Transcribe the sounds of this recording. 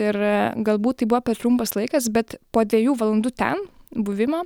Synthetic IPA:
ɪɾɡɐlˠbuːt̪̚t̪ːɐɪbʊʋoːpʲɛrt̪ɾʊmpɐslˠɐɪkɐsbʲɛt̪poːd̪ʲʋʲeɛjuːʋɐlˠɐnd̪ut̪ʲɛ̰nbʊʋʲɪmoː

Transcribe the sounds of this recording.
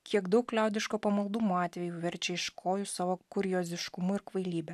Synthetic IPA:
kʲiɛɡd̪ɐʊklʲæˑʊd̪ʲɪʃkoːpɐmɐlˠd̪ʊmoːɑːt̪ʲʋʲɛjuːʋʲɛɾʲt͡ʃʲɛɪʃkʰoːjʊsɑːʋokʊɾʲjoːzʲɪʃkʊmʊɪɾkʋɐɪlʲiːbʲɛ

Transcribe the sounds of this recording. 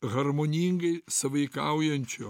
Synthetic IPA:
ɣɐɾmonʲiːŋɡɐɪsɐʋɐɪkɐʊjɛnʲt͡ʃʲo

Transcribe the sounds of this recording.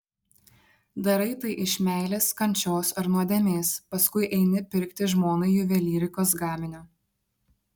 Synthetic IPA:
d̪ɐɾɐɪt̪ɐɪʔɪʃʲmʲæˑɪlʲeːskɐnʲt͡ʃʲoːsɐɾnuɔd̪ʲɛmʲeːspɐskʊɪʔɛɪnʲɪpʲɪɾʲkt̪ʲɪʒmoːnɐɪjʊʋʲɛlʲiːɾʲɪkoːs̬ɡɑːmʲɪnʲʊ

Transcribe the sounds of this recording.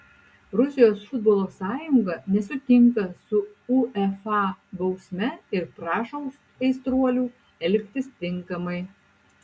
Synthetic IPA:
ɾʊsʲɪjoːsfʊd̪boːlˠoːsɑːjʊŋɡɐnʲɛsʊt̪ʲɪŋkɐsʊuɛfɑbɐʊsʲmʲɛɪɾpɾɑːʃoʊs | ɛɪst̪ɾuɔlʲuː | ɛlʲkʲt̪ʲɪst̪ʲɪŋˑkɐmɐɪ

